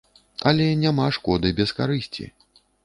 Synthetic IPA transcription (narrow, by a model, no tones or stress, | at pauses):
ɐlʲɛnʲamaʂkɔd̪ɨbʲɛskaɾɨsʲt͡sʲḭ